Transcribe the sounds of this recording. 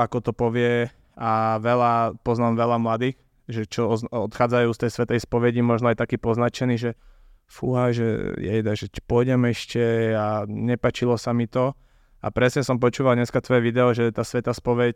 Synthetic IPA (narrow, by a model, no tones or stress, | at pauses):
akɔt̪ɔpɔʋɪɛ | aʋɛlapɔznaːmʋɛlamlad̪iːx | ʒɛt͡ʃɔɔɔt̪xaːd͡zajuːst̪ɛjsʋɛt̪ɛjspɔʋɛɟimɔʒnɔajt̪akiːpɔznat͡ʃɛniːʒɛ | fuɦajʒɛ̰jɛ̰d̪aʒɛpɔjɟɛmɛʃcɛaɲɛpaːt͡ʃilɔsamit̪ɔ | a̰pɾɛsɲɛsɔmp̬ɔt͡ʃuːʋaldɲɛskat̪ʋɔjɛʋid̪ɛɔʒɛt̪aːsʋɛt̪aːspɔʋɛc